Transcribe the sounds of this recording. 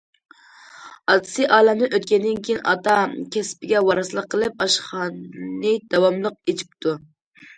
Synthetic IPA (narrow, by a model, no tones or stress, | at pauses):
ɑt̪ʰɨ̥sɨʔɑːlɛmnɨʔøt̪kʲɛnd̪ɪnkʲijinʔɑt̪ɑkʲʰɛspɪɡʲɛwɑɾɨsɨlˠəqʰːəlˠɨp̚ɑʃχɑnnɨd̪̥ɑwɑmlˠəq̚et͡ʃʰi̥p̚t̪ʰu